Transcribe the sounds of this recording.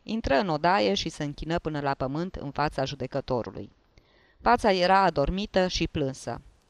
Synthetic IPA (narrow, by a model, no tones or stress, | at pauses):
int̪ɾəɨno̞d̪ajeʃiseɨŋkʲinəpɨnəlapəmɨnt̪ɨ̰nfat̪saʒud̪e̞kət̪o̞ɾṵlʔṵj | fat̪saje̞ɾaːd̪o̞rmit̪əʃiplɨnsə̰